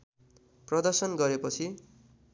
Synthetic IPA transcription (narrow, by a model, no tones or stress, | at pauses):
prʌd̪ʌrsʌnɡʌɾepʌt͡sʰi